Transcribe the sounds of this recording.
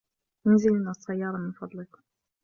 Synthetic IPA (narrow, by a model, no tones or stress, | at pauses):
jənzələnːæsˤːɑjːɑɾˤɑmənfɑd̪ˤlək